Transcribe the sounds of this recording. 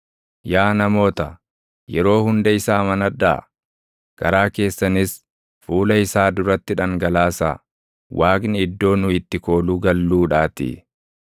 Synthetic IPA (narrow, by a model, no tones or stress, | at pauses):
jaːnɐmo̞ːt̪ɐ | jɛɾo̞ːhʊnd̪ɐɪsaːmɐnɐd̪ːa̰ | ɡ̥ɐɾaːke̞ːsːɐnɪs | fuːlɐɪsaːd̪ʊɾɐt̪ːɪᶑɐŋɡɐlaːsa̰ː | waːknɪɪd̪ːo̞ːnʊɪt̪ːɪko̞ːluːɡɐlːuːᶑaːt̪ḭ